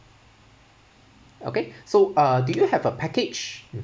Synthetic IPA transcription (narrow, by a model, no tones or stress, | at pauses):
o̰kesoʔʌdujuhɛvəpʰækɪd͡ʒ